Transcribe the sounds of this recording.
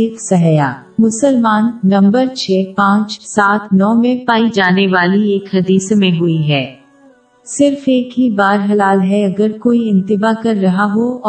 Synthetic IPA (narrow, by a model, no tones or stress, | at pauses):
ɪksɐɦja̰ː | mʊsəlmaːnːɐ̃mbəɾt͡ʃʰɛːpãːt͡ʃsaːt̪ʰnɔːmẽpaːid͡ʒaːneʋaːlieːkhɐd̪iːsmẽɦʊiɦɛː | sɪɾfeːkɦibaːɾɦɐlaːlɦɛɐɡəɾkoːiɪ̃nt̪ɪbakɐɾːɐɦaɦoɔː